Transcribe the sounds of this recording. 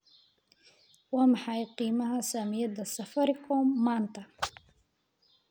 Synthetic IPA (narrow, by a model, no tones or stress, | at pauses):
wɑːmɪħɑjqiːmɐɦɐsaːmɪjɐd̪ɐsɐfɐɾɪkʰɔːmːaːnt̪ʰɐ